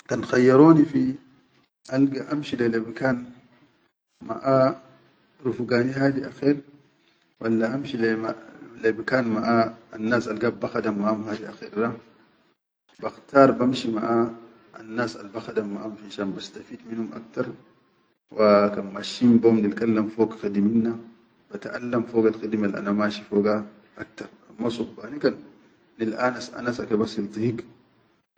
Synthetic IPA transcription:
kanxajːɑɾoːnifi | ʔalɡaʔamʃilelebikaːn | ma̰ʔa | ɾufɡaːniɦaːd̪iʔaxeːɾ | walːaʔamʃilemalebikaːnmaʔaanːaːsʔalɡaːbːaxad̪amːaʔhumhaːd̪iʔaxeɾda | baxt̪aːɾˤbamʃimaʔa | a̰nːaːsa̰lbaxad̪amːaʔamfinʃanbast̪afiːd̪minhumʔa̰k̚t̪ɑɾˤ | wʔakanmaʃimbomnilkʼalːamfoːɡxid̪iminːa | b̥at̪ʔa̰lːamfoːɡalxid̪imalʔa̰namaːʃifoːɡa | ʔak̚t̪ɑɾˤmasˤubbaːnikan | nilʔaːnasʔa̰nasakabasilt̪ˤihik

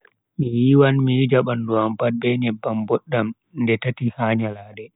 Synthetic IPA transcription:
mijiwanmijid͡ʒaɓanduampat̚bɛɲɛbːambɔɗːam | ndɛtatihaːɲalaːdɛ

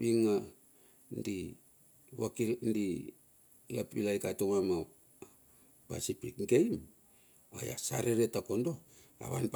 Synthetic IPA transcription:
βiŋa | ndi | wakindi | apilajkatomama | pa̰sipikɡejm | a̰ja̰saɾeɾetako̞ndo | a̰βa̰np

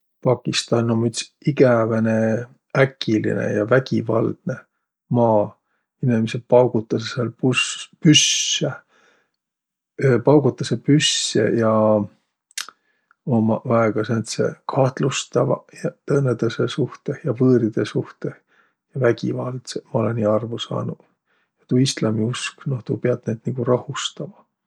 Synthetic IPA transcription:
pɑkːˑist̪ɑnːomːyt̪siɡævæne̞ | ækːilḭnḛjɑvæɡ̥ivɑld̪̥ne̞ | mɑː | inimesepɑwɡut̪ːˑɑseselpuspysːe | pɑwɡ̥ut̪ːˑɑsepysːḛjɑ | o̞mɑɑeɡ̥ɑsent̪sḛkʰɑht̪lust̪ɑvɑjɑt̪ɤnːed̪ɑsesuht̪ehjɑvɤːɾid̪̥esuht̪eh | jɑvæɡ̥ivɑːlt̪semɑo̞leniːɑrvusɑ̰ːnu | jɑt̪uːist̪lɑmiusknoht̪uːpeɑd̪̥ned̪̥niɡ̥urɑhust̪ɑmɑ

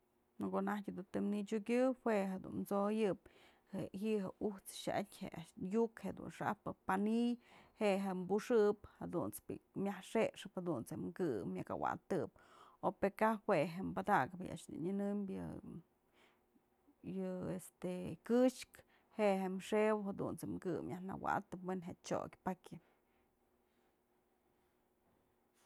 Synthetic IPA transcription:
nokonahkʲd̪ut̪ɨmnit͡ʃukʲɨweɦed̪ṵnmt͡sojɨp̚ | heɦiɦeuht͡sʃa̰ʔa̰tʲhḛaʃjukheʔd̪ṵnʂa̰pɨpanijheʔɦembuʂɨphad̪ṵnt͡spḭmʲahʂeʂɨphad̪unt͡seʔmkɨmʲjaka̰wa̰t̪ɨp̚opekahweɦembad̪aɡɨpija̰ʂd̪ṵɲɨnɨmbjɨ̰ | jɨest̪ekɨʂk | heʔɦemʂewhad̪ṵnt͡semkɨmjahna̰wa̰t̪ɨpwenɦeʔt͡ʃo̰kʲpakʲɨp

